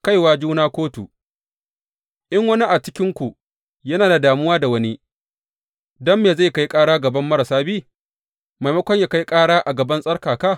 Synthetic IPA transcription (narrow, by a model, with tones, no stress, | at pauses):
ka˦jwaː˦d͡ʒuː˦naː˦kʷoː˦tu˨ | ʔɪ˦ŋwɐ˦ni˦ʔa˨t͡ʃɪ˦kʲɪ˦ŋkʷu˨ | jɐ˦naː˨da˨daː˨mʊ˦waː˦da˨wɐ˦ni˦ | dɐ˦mːeː˨za˦˨jka˦jkʼaː˦ɽaː˦ɡɐ˨bɐ˦mːɐ˦ɾɐ˨saː˦biː˦˨ | ma˨jmɐ˦kʷɔ˦ɲjaː˨ka˦jkʼaː˦ɽaː˦ʔa˨ɡɐ˨bɐ˦nsʼɐ˦rkaː˨ka˦˨